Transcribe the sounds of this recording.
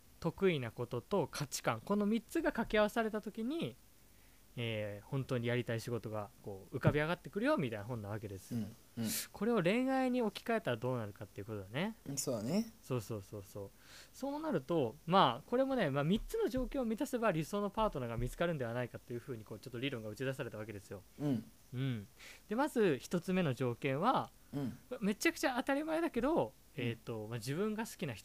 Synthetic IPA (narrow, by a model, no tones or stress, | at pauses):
t̪o̞kɯ̟inako̞t̪o̞t̪o̞kʰat͡ɕi̥kãŋko̞no̞mʲit͡sɨɡakakʲiaβ̞asaɾe̞t̪at̪o̞kʲiɲ̟i | eːhõ̞nt̪o̞ːɲ̟ijaɾʲit̪aiɕiɡo̞t̪o̞ɡako̞ːɯ̟kabʲiaɡat̪ːe̞kɯ̟ɾɯ̟jo̞ːmʲit̪ainaɦõnːaβ̞ake̞d̪e̞sɨ̥ | kʰo̞ɾe̞o̞ɾẽ̞ɰ̃aiɲ̟io̞kʲi̥kae̞t̪aɾad̪o̞ːnaɾɯ̟kat̪ːe̞iɯ̟ko̞t̪od̪ane̞soːneso̞ːso̞ːso̞ːso̞ː | so̞ːnaɾɯ̟t̪o̞maːko̞ɾe̞mo̞ne̞maːmʲit͡sɨno̞ʑo̞ːkẽomʲit̪ase̞baɾʲiso̞ːno̞paːt̪o̞naɡamʲit͡sɨ̥kaɾɯ̟nd̪e̞βanaikat̪ːe̞jɯ̟ɸɯ̟ːɲ̟iko̞ːt͡ɕo̞t̪ːo̞ɾʲiːɾõ̞ŋɡa̟t͡ɕid̪as̬aɾe̞t̪aβake̞d̪e̞sɨjo̞ | ɯ̟̃ɴd̪e̞mazɨçi̥t̪o̞t͡sɨme̞no̞ʑo̞ːkẽ̞ɰ̃βa | kame̞t͡ɕakɯ̟̥t͡ɕaːt̪aɾʲimaed̪ake̞d̪o̞ | eːt̪ːo̞mad͡ʑibɯ̟̃ŋɡasɨ̥kʲinaçi̥t